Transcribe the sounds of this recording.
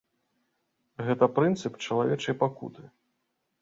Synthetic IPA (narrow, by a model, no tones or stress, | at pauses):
ɣɛt̪ɐpɾɨnt̪sɨpt͡ʂɐlˠavʲɛt͡ʂɐjpakṵt̪ɨ